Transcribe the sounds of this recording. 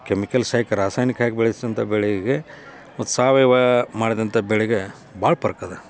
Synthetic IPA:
kemikɐlsaːjkɐɾaːsaːjnikɐɦaːɡebɛɭjisd̪ɐnt̪ʰɐbɛɭɛɡe | ot̪ːusaːʋɐjʋɐmaːɽid̪ɐnt̪ʰɐbɛɭɛɡe | bʱaːɭpɐɾkɐd̪e

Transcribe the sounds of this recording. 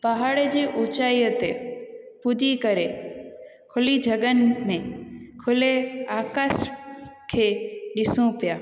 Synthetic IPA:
paɦaːɽd͡ʑiːʔʊt͡ɕaːiət̪epʊd̪ikɐɾe | kʰʊlid͡ʑʱɐɠənɪ̆mẽkʰʊleaːkaːskʰeːɗɪsũpɪjaː

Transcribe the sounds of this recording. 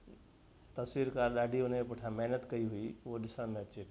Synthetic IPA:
t̪ɐswiːɾkaɾɗaːɖʱiʊnmẽpʊʈʰãmɛɦnət̪kɐiɦuioɗɪsənmẽɐtːt͡ʃʰek

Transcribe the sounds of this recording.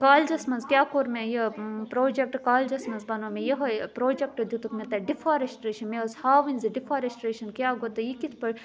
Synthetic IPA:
kaːld͡ʒɐsmɐnzkʲjaːkoːɾmẽjɐpɾoːd͡ʒek̚ʈkaːld͡ʒɐsmɐnzbɐnomẽjɐɦɐpɾoːd͡ʒek̚ʈɐd̪ut̪ukmet̪ɐɖifaːɾesʈɾeːʃɐnmeɐshaːʋinzɐɖifaːɾesʈɾeːʃɐnkʲjaːɡot̪ɐjikit̪ʰpɐɾ

